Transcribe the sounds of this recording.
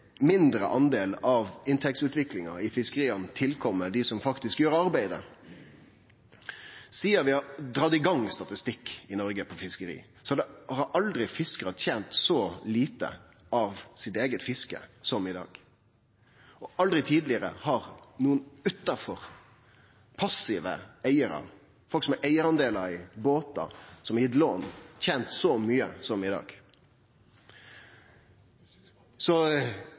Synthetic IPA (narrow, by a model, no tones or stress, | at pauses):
mɪnd̪ɾə̰ʔɑnd̪eːlɑʋɪnt̪ʰɛk̚t̪sʉːt̪ʋɪklɪŋɑ̰ɪfɪskəʁiːənət̪ʰɪlkʰɔmːəd̪ɪsɔmfɑkt̪ɪskjøːɾɑɾbæɪd̪ə̰ | siːəɾʋɪhɑd̪ɾɑːd̪ɪɡɑŋːst̪ɑt̪ɪst̪ɪkːɪnɔɾɡəpʰɔfɪskəɾḭː | sɔd̪ɛhɑɾʔɑld̪ɾɪfɪskəʁɑt̪ʰjɛnt̪sɔliːt̪ə̰ | ɑʋsɪt̪eːɡət̪fɪskə̰sɔmɪd̪ɑ̰ːɡ̥ | ɔɑld̪ɾɪt̪ʰiːd̪lɪəɾə̰hɑʁnuːənʉt̪ːɑfɔʁ | pʰɑsɪʋə̰æɪəɾɑ̰ | fɔlksɔmɛɾʔæɪəɾɑnd̪eːləɾɪboːt̪ɑ̰sɔmɪd̪loːnt̪ʰɛnt̪sɔmyːəsɔmɪd̪ɑ̰ːɡ̥ | sɔ